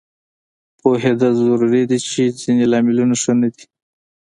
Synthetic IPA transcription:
poɦed̪azʊɾuɾed̪it͡ʃezinelɑmɪlunaʂənad̪i

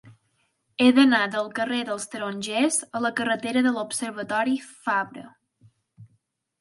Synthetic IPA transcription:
eðənad̪əlˠkəreðəlˠst̪əɾonʲʒɛzələkərət̪eɾəðəlupsəɾβət̪ɔɾifaβɾə̰

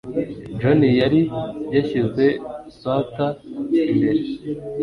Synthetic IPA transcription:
d͡ʒonijaɾijaçize̞sataindeɾ

